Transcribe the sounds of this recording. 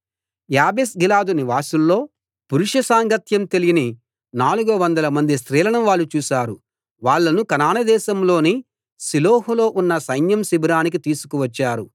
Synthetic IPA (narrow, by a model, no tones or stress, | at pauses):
jaːbesɡilaːd̪uniʋaːsulːo̞ː | puɾuʂɐsaːŋɡɐt̪jɐmt̪elijini | naːluɡuɐʋɐnd̪ɐlɐmɐnd̪isɾiːlɐɳɐmʋaːɭːut͡ʃuːʃaːɾu | ʋaːɭːɐnukɐnaːnɐd̪ɛːʃɐmlo̞ːni | siloːɦulo̞ːʔunːɐsɐjnjɐmsibɾaːnik̬it̪iːsu̥kuʋɐt͡ʃːaːɾu